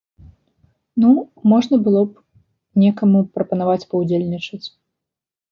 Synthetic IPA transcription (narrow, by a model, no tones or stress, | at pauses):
nu | mɔʐnɐbɨlˠɔp | nʲɛkɐmupɾɐpɐn̪avat͡sʲpɐwd͡zʲelʲnʲit͡ʂɐt͡sʲ